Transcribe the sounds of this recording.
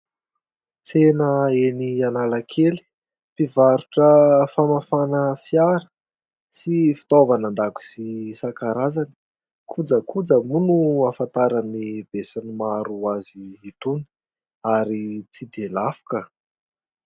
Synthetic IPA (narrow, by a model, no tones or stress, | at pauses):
t͡senəenianalakʰeli̥ | pivaɾuʈ͡ʂəfamafanəfiaɾə̥ | sifi̥t̪ovanand̪aku̥sisakaɾazani̥ | kʰud͡zəkʰud͡zəmunuafant̪aɾanib̥esanimaɾuaziit̪uni̥ | aɾit͡sid̪elafu̥kə